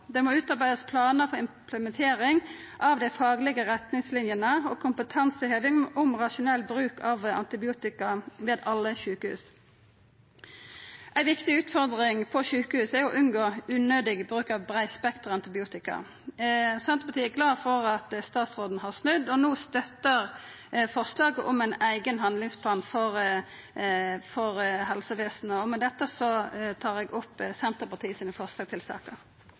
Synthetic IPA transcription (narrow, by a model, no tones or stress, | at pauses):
d̪ɛmoːʉːt̪ɑɾbæɪd̪əspʰlɑːnəɾfɔɾɪmpʰləmɛnt̪ʰeːɾɪŋ | ʔɑʋd̪æɪfɑːɡlɪɡəʁɛt̪nɪŋslɪnjənəɔkʰʊmpət̪ʰɑnsəhøːʋɪŋʔʊmʁɑʃʊnɛlːbɾʉːkʰɑʋɑ̰nt̪ɪbɪuːt̪ɪkɑʋeːd̪ɑlːəʃʉːkəhʉ̰ːs | ʔæɪʋɪkt̪ɪʉːt̪fɔɾd̪ʁɪŋpʰɔʃʉːkəhʉːsɛjʊʔʉnɡoːʉːnøːd̪ɪɡbʁʉːkɑʋbʁæɪspɛkt̪ʁɑnt̪ɪbɪuːt̪ɪkɑ̰ | sɛnt̪əʁpʰɑt̪ʰiːɛɡlɑːfɔʁɑt̪st̪ɑːt̪sʁoːd̪n̩hɑʁsnʉd̪ːɔnoːst̪œt̪əʁ | fɔʁslɑːɡəʔɔmæɪnæɪɡənɦɑnd̪lɪŋspʰlɑːnfɔʁ | fɔʁɦɛlsəʋeːsnəɔmɛd̪ɛt̪ːəsɔt̪ʰɑːʁɛɡʊpːsɛnt̪əʁpɑt̪ʰiːəsiːnəfɔʁslɑːɡt̪ɪlsɑ̰ːkəʁ